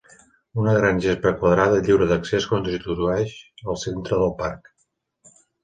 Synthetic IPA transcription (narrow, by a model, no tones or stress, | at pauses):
unəɣɾanʲʒespəkwəðɾaðəʎiwɾəðəkseskont̪zit̪uzuɛʒəlˠsent̪ɾəðəlˠpark